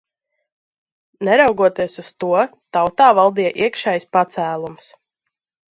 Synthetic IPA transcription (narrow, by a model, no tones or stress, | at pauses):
nɛɾawɡuɔt̪iɛsust̪uɔt̪awt̪aːvɑlˠd̪ijɛʔiɛkʃɛjspat̪sæːlˠums